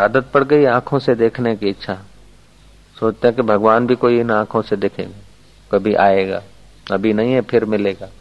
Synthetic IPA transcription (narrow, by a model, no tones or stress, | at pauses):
aːd̪ət̪̚pɐɽ̤ɡɐiãːkʰõsed̪eːkʰnekiɐtːʃʰaɦ | soːt͡ʃt̪eɦɛ̃kibʱɐɡʋaːnbʱikoːiɪnãːkʰõsed̪eːkʰḛ̃ːɡaː | kɐbʱiʔaːeːɡa̰ː | ɐbʱinɐɦĩɦɛpʰɪɾmɪleːɡaː